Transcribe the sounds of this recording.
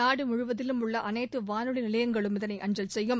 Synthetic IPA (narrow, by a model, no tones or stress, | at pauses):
aːɽɯmʊɻʊʋɐðɪlɯmʊɭːɐʔɐnɐːʈːɯʋaːnɯɭɪnɪɭɐjɐŋɡɐɭɯmɪðɐnɐɪʔɐnd͡ʒɐlsɛjːɯm